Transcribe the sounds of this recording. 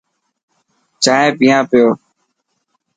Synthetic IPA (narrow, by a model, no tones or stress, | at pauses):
t͡ʃaːɦẽːpɪːjãːpɪjoː